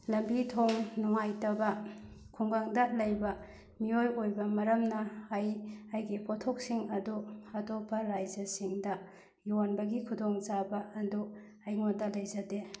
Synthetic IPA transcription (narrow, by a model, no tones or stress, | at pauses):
lɐmbitʰoŋnuŋajtɐbɐkʰuŋɡaŋdɐlɐjbɐ | miojojbɐmɐɾɐmnɐajajɡipʰotʰok̚siŋɐduɐtopʰːɐɾajd͡ʒɐsiŋdɐ | juwanbɐɡikʰudoŋt͡ʃabɐɐdu | ajŋodɐlɐjzɐde